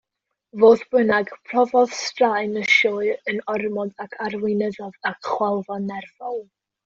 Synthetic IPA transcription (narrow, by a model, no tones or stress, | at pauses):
voːθb̥ənaɡpʰr̥ɔvɔð̥strajnəʃɔːɨənɔrmɔdakʰarwɪnəðɔðakχwɛlˠvanɛrvɔlˠ